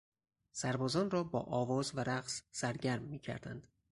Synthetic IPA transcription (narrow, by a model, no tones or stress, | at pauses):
sæɾbɒːzɒːnrɒːbɒ̰ːʔɒːvɒːzvæɾæʁssæɾɟæɾmːiːcʰæ̰ɾd̪æ̰nd̪̥